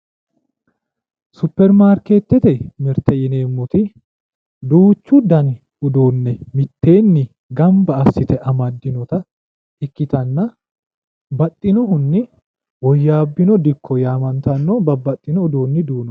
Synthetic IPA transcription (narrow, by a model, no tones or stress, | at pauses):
sʊpːɛɾmaːɾkeːt̪ːɛt̪ɛmɛɾt̪ɛjɪne̞ːmːʊt̪ɪ | d̪uːt͡ʃːud̪ɐn | ʊd̪oːnːɛmɪt̪ːe̞ːnːɪ | ɡɐmbɐːsːɪt̪ɛʔɐmɐd̪ːɪnɔt̪ɐ | ɪkːɪt̪ɐnːɐ | bɐt̪ʼːɪnɔɦʊnːɪ | wɔjːaːbːɪnɔd̪ɪkʰːɔjaːmɐnt̪ɐnːɔbɐbːɐt̪ʼːɪnɔːd̪oːnːɪd̪uːnɔ